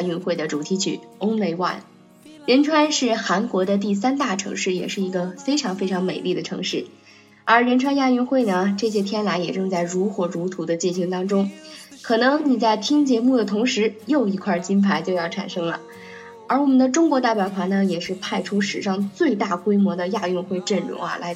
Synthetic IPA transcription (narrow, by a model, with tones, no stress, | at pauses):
y˧˥nxwe˥˩ɪd̪ə˩ʈ͡ʂu˨˩t̪ʰi˧˥t͡ɕʰy̰˥˩ʊ˥ŋle˥˧ɪwa̰˥˩n | ɻə˧˥nʈ͡ʂʰwa˥nʂɻ̩˥˩xa˧˥nkwɔ˧˥d̪ə˧t̪i˥˩s̬a˥nt̪a˥˩ʈ͡ʂʰɤ̰˧˥ŋʂɻ̩˥˩jɛ̰˨˩ʂɻ̩˥˩i˧˥ɡə˧fe˥ɪʈ͡ʂʰɑ˧˥ŋfe˥ɪʈ͡ʂʰɑ˧˥ŋme˨˩ɪli˥˩d̪ə˩ʈ͡ʂʰɤ̰˧˥ŋʂɻ̩˥˩ | ə˞˧˥ɻə˧˥nʈ͡ʂʰwa˥nja˥˧y˧˥nxwe˥˩ɪnə˩ʈ͡ʂɤ˥˩ɕ̬jɛ˥t̪ʰjɛ˥nla˧˥ɪjɛ˨˩ʈ͡ʂɤ˥˧ŋt͡sa˥˩ɪɻu˧˥xwɤ˧˥ɻu˧˥t̪ʰu˧˥d̪ə˧t͡ɕi˥˩nɕi˧˥ŋt̪ɑ˥ŋʈ͡ʂʊ˥ŋkʰɤ˨˩nɤ˧˥ŋni˨˩t͡sa˥˩ɪt̪ʰi˥ŋt͡ɕjɛ˧˥mu˥˩d̪ə˩t̪ʰʊ˧˥ŋʂɻ̩˧˥jo˥˩ʊi˧˥kʰwa˥˩t͡ɕi˥npʰa˥˩ɪt͡ɕjo˥˧ʊjɑ˥˩ʊʈ͡ʂʰa̰˨˩nʂɤ˥ŋlə̰˩ | ə˞˧˥wɔ˨˩mə˦nd̪ə˧ʈ͡ʂʊ˥ŋkwɔ˧˥t̪a˥˩ɪpjɑ˨˩ʊtʰwa˧˥nə˧jɛ˨˩ʂɻ̩˥˧pʰa˥˧˩ɪʈ͡ʂʰu˥ʂɻ̩˨˩ʂɑ˥˧ŋt͡swe˥˧ɪt̪a˥˩kwe˥ɪmwɔ˧˥d̪ə˧ja˥˧y˥˧nxwe˥˧ɪʈ͡ʂə˥˩nɻʊ̰˧˥ŋɐ̰˧˩la̰˧˥ɪ